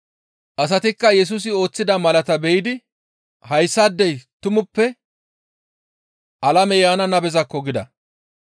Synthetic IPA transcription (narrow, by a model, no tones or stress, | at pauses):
ʔɐs̬ɐt̪ɪkːɐjɛs̬us̬ɪo̞ːt͡sːɪd̪ɐmɐlɐt̪ɐbɛjɪd̪ɪ | hɐjsːɐd̪ːɛjt̪ʊmʊpːɛ | ʔɐlɐmɛjaːnɐnɐbɛzɐkːɔɡɪd̪ɐ̰